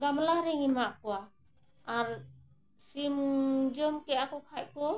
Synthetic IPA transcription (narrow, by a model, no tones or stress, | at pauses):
ɡamlaɾɛŋimaʔkɔwa | aɾ | simd͡ʒɔmkɛʔakɔkʰac̚kɔ